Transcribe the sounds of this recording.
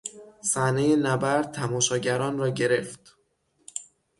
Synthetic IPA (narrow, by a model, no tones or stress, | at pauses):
sæhnejenæbæɾd̪̚t̪ʰæmɒːʃɒːɟæɾɒːnrɒːɟe̞ɾe̞ft̪